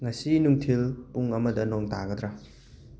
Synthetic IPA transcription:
ŋɐsinuŋtʰiluŋɐmɐdɐnoŋtaɡɐd̪ɾɐ

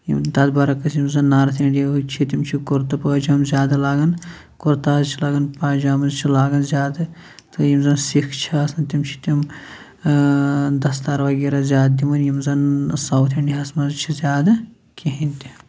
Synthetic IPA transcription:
jḭmt̪ɐd̪bɐɾɐkɐsjimzɐnːaːɾɐt̪ʰiɳɖit͡ʃʰit̪imt͡ʃʰikuɾt̪ɐpɐːd͡ʒaːmzʲjaːd̪ɐlaːɡɐn | kuɾt̪aɐzt͡ʃʰilaːɡɐnpaːd͡ʒaːmɐzt͡ʃʰilaːɡɐnzʲjaːd̪ɨt̪ɨjimzɐnsikʰt͡ʃʰiɐːsɐnt̪imt͡ʃʰi̥t̪im | d̪ɐst̪aːɾʋɐɡeːɾɐzʲjaːd̪̚d̪imɐnjimzɐnsɐwt̪ʰiɳɖiɦɐsmɐzt͡ʃʰizʲaːd̪ɨ | kʰʲiɦinʲt̪ʲi̥

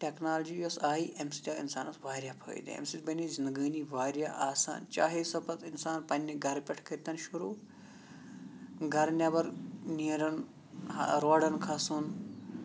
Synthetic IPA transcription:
ʈeknaːld͡ʒijosaːiʔemsi̥t̪ʲaːḭnsaːnɐsʋaːɾʲjapʰɐ̰ːjd̪ḭḛmsit̪ʲbɐnizind̪ɡəːniːʋaːɾʲjaʔaːsa̰ːnt͡ʃa̰ːɦeːsɐpɐt̪insaːnpɐnʲːiɡʱɐɾpʲɛʈʰkɐɾʲt̪ɐnʃuɾuː | ɡʱɐɾnʲabɐɾniːɐɾɐn | a̰ɾoːɽɐnkʰɐsun

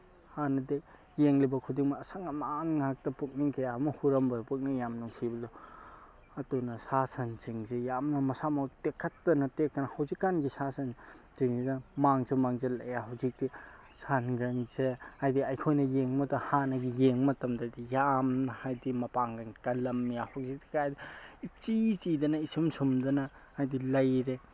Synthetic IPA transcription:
hanɐdi | jeŋlibɐkʰudiŋmɐːsaŋɐmaanŋak̚tɐpuk̚niŋkɐjamɐhuɾɐmbɐpuk̚nijamnuŋsibɐdɔ | ɐtunɐsasɐnt͡ʃiŋzejamnɐmɐsamawtekʰːɐtːɐnɐtek̚tɐnɐhawzikːanɡisasɐnt͡ʃiŋzidɐmaŋsumaŋzelɐ̰jaɦawzik̚di | sanɡɾɐŋzeajdiɐjkʰojnɐjeŋmɐdɔhanɐɡijeŋmɐtɐmdɐjd̪ijamnɐhajdimɐpaŋɾɐŋkɐlɐmjahawzik̚ti̥kajdiit͡ʃit͡ʃidɐnɐisumsʰumdɐnɐː | jdilɐjɾe

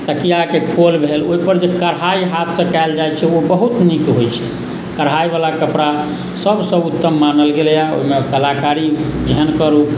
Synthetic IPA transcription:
t̪akiakekʰolbʱeloipəɾd͡ʒekəɾɦaiɦat̪ʰsə̃kɛld͡ʒajt͡ʃʰɛobəɦut̪nikɦojt͡ʃʰɛ | kəɾɦaibalakəpɾa | səbsəbut̪ːəmːanəlɡeljao̰ɦimekəlakaɾid͡ʒʱənkəɾuk

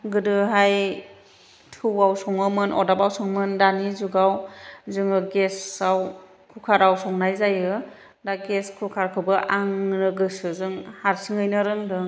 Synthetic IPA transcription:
ɡɯdɯɦaj | tʰɯwawsɔŋɯmɯnʔɔ̰dabawsɔŋmɯndanizuɡawzɯŋɯɡesaw | kʰukʰaɾawsɔŋnajzajɯ | daɡeskʰukʰaɾkʰɯbɯʔaŋnɯɡɯsɯzɯŋhaɾsiŋɯjnɯɾɯŋdɯ

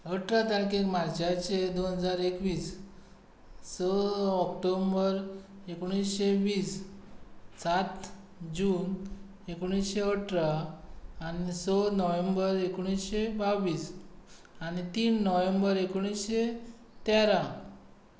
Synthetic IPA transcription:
əʈɾat̪aɭkekmaɾd͡ʑat͡ɕed̪onɦəd͡zaɾekʋiːs | səɔkʈombəɾ | ekoɽ̃isɕeʋiːs | sat̪ | d͡ʑuːn | ekoɽ̃isɕeəʈɾaː | nisonəʋembəɾekoɽ̃isɕebaʋiːs | añit̪iːnːəʋẽmbəɾekoɽ̃isɕe | t̪aɾa

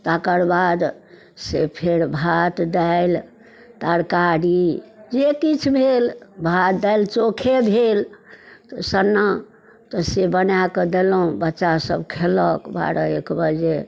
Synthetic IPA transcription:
t̪akəɾbad̪ | sepʰeɾbʱat̪ɖaɪl | t̪aɽkaɽid͡ʒekit͡ʃʰbʱelbʱat̪̚ɖaelt͡ʃokʰebʱelt̪ɔsənːa | t̪ɔsebənaked̪eloũbətːʃasə̰bkʰeləkbʱa̰ɾəekbəd͡ʒe

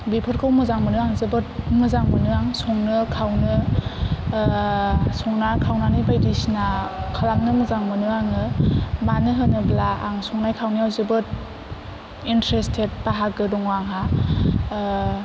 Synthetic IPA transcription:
bipʰɯɾkʰawmɯzaŋmɯnɯaŋzɯbɯt̚mɯzaŋmɯnɯaŋsɔŋnɯkʰawnɯ | sɔŋnakʰawnanɯbajdisnakʰalamnɯmɯzaŋmɯnɯaŋɯmanɯɦɯnɯblaːŋsɔŋnajkʰawnijawzɯbɯt̚ | intɾestʰet̚paɦakɯdɔŋwaŋɦa

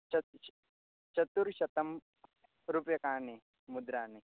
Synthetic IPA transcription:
ɐt | ɕɐt̪uɾɕɐt̪ɐm | ɾupjɐkaːne | mud̪ɾaːne

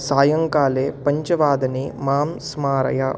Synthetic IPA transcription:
saːjɐŋkaːleːpɐɲt͡ʃɐʋaːd̪ɐnimaːmsmaːɾɐ̰ja

